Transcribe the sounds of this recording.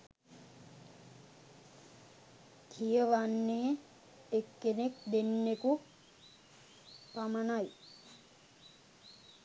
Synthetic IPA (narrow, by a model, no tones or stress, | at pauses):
kʰijəʋanːeɦe | ekːenekd̪enːeku | pamanaj